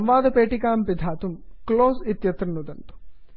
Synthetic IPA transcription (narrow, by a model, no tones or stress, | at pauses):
ɐmʋaːd̪ɐpeːʈikaːmpid̪ʱaːt̪umkloːsit̪jɐt̪ɾɐnud̪ɐnt̪u̥